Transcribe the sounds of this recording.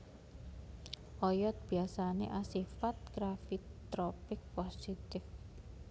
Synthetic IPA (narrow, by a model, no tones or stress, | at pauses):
ʔɔjɔt̪̚b̥iasanḛʔasifat̪̚ɡ̥ɾafit̪ɾɔpɪk̚pɔsit̪ɪf